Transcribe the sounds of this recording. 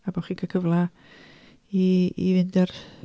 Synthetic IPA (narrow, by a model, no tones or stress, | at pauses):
abɔχikʰəkʰəvlˠa | iivɪndɛr